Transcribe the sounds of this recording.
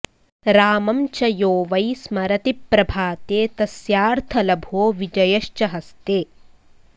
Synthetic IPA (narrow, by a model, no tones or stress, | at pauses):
ɾaːmɐmt͡ʃɐjoːʋɐjsmɐɾɐt̪ipːɾɐbʱaːt̪eːt̪ɐsjaːɾt̪ʰɐlɐbʱoːʋid͡ʒɐjɐʃt͡ʃɐɦɐst̪eː